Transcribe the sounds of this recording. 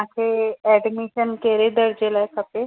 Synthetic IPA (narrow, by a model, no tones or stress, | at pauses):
akʰeɛɖmiʃənkeɾed̪əɽd͡ʑelaekʰəpe